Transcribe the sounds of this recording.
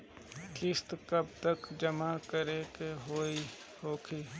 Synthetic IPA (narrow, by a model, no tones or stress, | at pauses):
kɪst̪kəbt̪əkd͡ʒəmakəɾekeɦoːi | hoːkʰiː